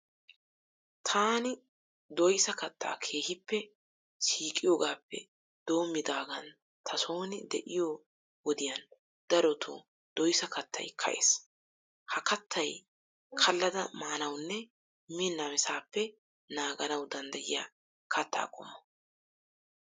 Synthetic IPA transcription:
t̪ʰaːnɪ | d̪ɔjsɐkɐt̪ːa̰ːkʰeːhɪpːɛ | siːkʼɪjoːɡaːpːɛ̰ | d̪̥o̞ːmːɪd̪aːɡɐn | t̪ʰɐso̞ːnɪd̪ɛʔɪjoː | wɔd̪ɪjɐn | d̪̥ɐɾɔt̪ʰṵ | d̪̥ɔjsɐkɐt̪ʰːɐ̰jkʰɐ̰ʔḛːs | hɐkɐt̪ʰːɐj | kʰɐlːɐd̪ɐmaːnɐwnːɛ | mɪnːamɪsaːpːɛ | naːɡɐnɐwd̪ɐnd̪ɐjɪja̰ː | kʰɐt̪ʰːa̰ːkʼɔmːɔ

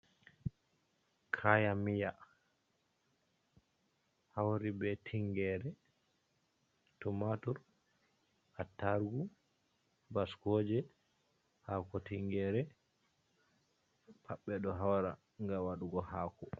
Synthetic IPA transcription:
kʰajamija | hawɾibɛtʰiŋɡɛɾɛ | tumatuɾ | atːaɾɡu | baskɔd͡ʒɛ | haːkɔtiŋɡɛɾɛ | pʰaɓːɛɗɔɦawɾa̰ | ŋɡawaɗuɡɔhaːkɔ

